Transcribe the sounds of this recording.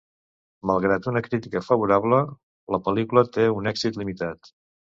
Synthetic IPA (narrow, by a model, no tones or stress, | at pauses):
məlˠɣɾat̪unəkɾit̪ikəfəβ̞uɾaβlə | ləpəlikulət̪eunɛɡzit̪limit̪at̪